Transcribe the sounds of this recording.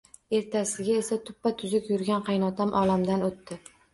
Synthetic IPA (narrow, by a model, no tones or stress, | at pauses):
e̞ɾt̪ʰasɪɡʲae̞sat̪ʰʊpːat̪ʰʊzʊkʲjʊɾɡʲanqʰɑjnɒt̪ʰamʔɒlamd̪anot̪ːɪ